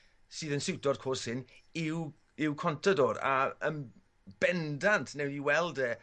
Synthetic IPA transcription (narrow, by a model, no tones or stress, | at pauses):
sɨːðənsɪwtɔdkʰoːshɪnɪw | ɪwkʰɔntʰədɔːɾa̰ə̰n | b̥ɛndantʰnɛwdiwɛlˠdɛː